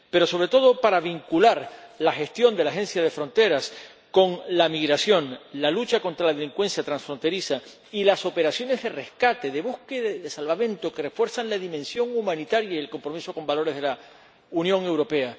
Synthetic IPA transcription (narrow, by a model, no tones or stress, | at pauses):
pe̞ɾo̞so̞βɾe̞t̪o̞ð̞o̞paɾaβ̞iŋkulaɾlaxe̞st̪jo̞nd̪e̞laxẽ̞nsjað̞e̞fɾo̞nt̪e̞ɾas | ko̞ŋlamiɣɾasjõ̞ŋlalut͡ʃako̞nt̪ɾalaðe̞liŋkwe̞nsjat̪ɾansfɾo̞nt̪e̞ɾisa | ilaso̞pe̞ɾasjo̞ne̞zðe̞re̞hkat̪e̞ðe̞βuhkeðaðesalβamẽ̞nt̪okerefwe̞ɾsanlaðimẽnsjo̞ŋumãnit̪aɾjaie̞lko̞mpɾomisoko̞mbalo̞ɾe̞zðe̞la | unjõ̞ŋe̞wɾo̞pe̞a